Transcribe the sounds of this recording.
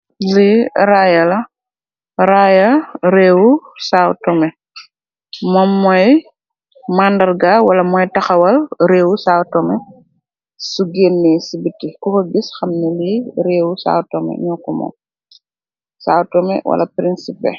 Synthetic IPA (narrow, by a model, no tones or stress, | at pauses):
liɾajɐlɐ | ɾajɐɾeːwusawtɔmɛ | mɔmːɔj | mandɐrɡawɐlɐmɔjtɐxɐwɐlɾeːwusawtɔmɛ | suɡenːɛsibitːikɔkɔɡisxɐmnɐliɾeːwusa̰ːwtɔmɛ̰ɲɔkːumɔ̰ːm | sawtɔmɛ̰wɐ̰lɐ̰pɾinsipɛ̰